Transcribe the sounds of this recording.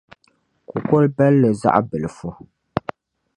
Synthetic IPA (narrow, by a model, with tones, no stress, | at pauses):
ku˨ko˦lbɛ˦lːə˨za̰˦ʔbɨ˨lfɔ˦